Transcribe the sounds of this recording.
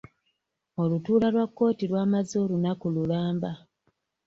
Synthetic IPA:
o̞lutuːlalwakːo̞ːtilwaːmazo̞lunakululaːmba

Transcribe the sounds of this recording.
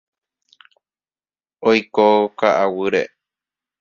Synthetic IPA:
ojkokaʔawɨɾḛ

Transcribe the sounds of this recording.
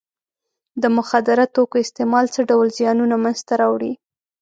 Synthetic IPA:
d̪əmʊxad̪ɪɾat̪okoɪst̪emɑlt͡səɖawlzjɑnunamanzt̪aɾɑwɽi

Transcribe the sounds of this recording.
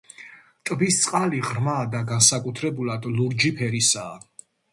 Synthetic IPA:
t̪ʼbist̪sʼqʼaliʁɾmaːd̪aɡansakʼut̪ʰɾɛbulad̪luɾd͡ʒipʰɛɾisaː

